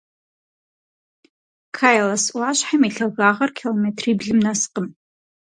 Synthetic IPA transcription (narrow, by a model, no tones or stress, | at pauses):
kʰaːjlɐsʔʷaːɕħamiɬɐɣaːʁɐrkʲʰilometʰriːbɮɨmnɐsqəm